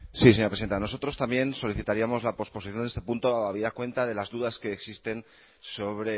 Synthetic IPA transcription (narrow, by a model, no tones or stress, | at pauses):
siseɲoɾpɾesiðent̪ano̞so̞t̪ɾo̞st̪ambje̞nso̞liθit̪aɾiamo̞zlapo̞spo̞siθjonst̪epunt̪oaβiðakwe̞nt̪aðe̞lazðuðaske̞ːksist̪e̞n | so̞βɾe̞